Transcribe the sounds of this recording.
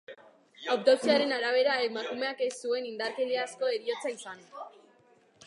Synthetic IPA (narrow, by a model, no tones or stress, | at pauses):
awkt̪ot͡siaɾe̞naɾaβ̞e̞ɾaemakume̞ake̞sue̞nind̪aɾke̞ʎeasko̞e̞ɾio̞t͡saisan